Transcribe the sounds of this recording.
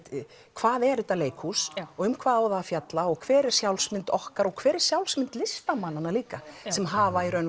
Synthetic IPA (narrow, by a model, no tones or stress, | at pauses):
t̪ | kʰvaːðɛɾʏt̪aleːjkʰhusɔɣʏmkʰvaːðawðaðfjat̪laɔɣkʰvɛːɾɪɾ̥sjawlsmɪnt̪ɔhkaɾɔɣkʰv̥ɛːɾɪɾ̥sjawlsmɪnt̪lɪst̪amanːanaliːkasɛmɦaːvaiɾœɥn